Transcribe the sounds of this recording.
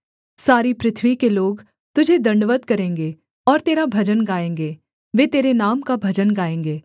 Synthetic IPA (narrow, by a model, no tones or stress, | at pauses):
saːɾipɾɪt̪ʰʋikeloːɡ | t̪ʊd͡ʒʱed̪ɐ̃ɳɖəʋəd̪kɐɾẽːŋɡe | ɔːɾt̪eːɾabʱɐd͡ʒənɡaːẽːŋɡeː | ʋeːt̪eːɾenaːmkabʱɐd͡ʒənɡaːẽːŋɡeː